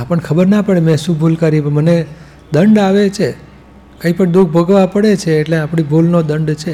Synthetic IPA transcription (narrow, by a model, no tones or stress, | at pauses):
pəɳkʰəbəɾnapəɽemɛ̃ʃũbʱulkəɾipəməne | d̪əɳɖaʋet͡ʃʰe | kəĩpəɳd̪uk̚ʰbʱəɡʋapəɽet͡ʃʰeːʈleapɳ̃ibʱulnod̪əɳɖt͡ʃʰe